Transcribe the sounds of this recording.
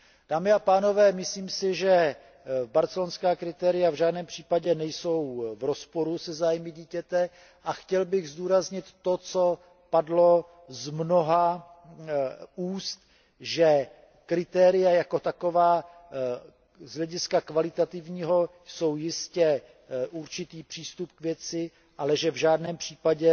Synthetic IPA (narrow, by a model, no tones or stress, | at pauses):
d̥aːmɪapaːno̞vɛːmɪsliːmsɪʒɛ | baɾt͡sɛlonskaːkɾɪt̪ɛːɾɪjavʒaːdnɛːmpr̝̥iːpaɟɛnɛjso̞wvɾospo̞ɾusɛzaːjmɪɟiːcɛt̪ɛ | ʔaxcɛlbɪɣzduːɾazɲɪt̪ːot͡so̞ | padlo̞ | zmno̞ɦa | uːst̪ | ʒɛ | kɾɪt̪ɛːɾɪjajako̞t̪ako̞vaː | zɦlɛɟɪskakvalɪt̪at̪ɪvɲiːɦo̞ | so̞wjɪscɛ | ʔuɾt͡ʃɪt̪iːpr̝̥iːst̪upkvjɛt͡sɪ | ʔalɛʒɛvʒaːdnɛːmpr̝̥iːpaɟɛ